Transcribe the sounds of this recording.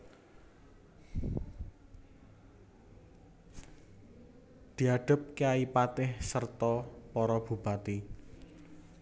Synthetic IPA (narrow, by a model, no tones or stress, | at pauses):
d̪̥i̤aɖ̥ə̤p̚keaipat̪ɪhsərt̪ɔpɔɾɔb̥ṳb̥at̪i